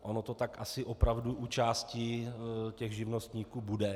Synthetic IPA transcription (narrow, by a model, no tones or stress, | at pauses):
ʔo̞no̞t̪o̞t̪akʔasɪʔo̞pɾavduʔut͡ʃaːscɪcɛɣʒɪvno̞st̪ɲiːkuːbudɛ